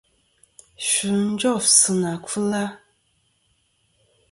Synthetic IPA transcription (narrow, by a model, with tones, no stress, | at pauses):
ʃu˨n̩˦d͡ʒɔ˦˨fsɨ˨na˨kɨ˦la˦